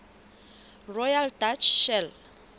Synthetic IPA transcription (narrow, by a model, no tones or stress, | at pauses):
rɔjaldat͡ʃʰʃɛl